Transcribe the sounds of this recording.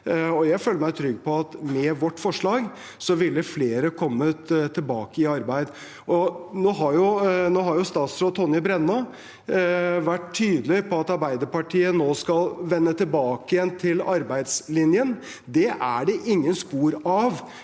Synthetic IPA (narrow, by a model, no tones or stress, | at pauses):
ɔjæɪføːlːəɾmæɪt̪ʰɾʏɡːpʰɔɑt̪mɛʋɔʈːfɔʂɭɑːɡ | sɔʋɪlːəfleːɾəkʰɔmːət̪ʰɪlbɑːkəɪɑɾbæɪd̪ | ʔɔnoːɦɑɾjʊnoːɦɑɾjʊst̪ɑːt̪sɾoːd̪̚t̪ʰɔnjəbɾɛnːɑ | ʋæʈt̪ʰːyːd̪əlɪpʰɔɑt̪ɑɾbæɪd̪əpɑʈʰiːənoːskɑlʋɛnːət̪ʰɪlbɑːkəjɛnt̪ʰɪlɑɾbæɪd̪slɪnjən | d̪ɛʔæɖɛʔɪŋːənspuːɾɑʋ